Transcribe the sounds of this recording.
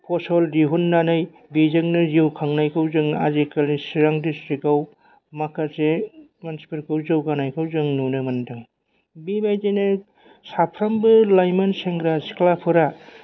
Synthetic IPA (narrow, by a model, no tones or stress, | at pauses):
pʰɔsɔldiɦunːanɯj | bizɯŋnɯziwkʰaŋnajkʰɯwzɯŋa̰zekalisiɾaŋdistɾikaw | makʰasemansi̥pɯɾkʰɯwzɯwɡanajkʰɯwzɯŋnunɯmɐndɯŋ | bimajzenɯ | sapʰɾambɯlajmanseŋɡɾasklapʰɯɾa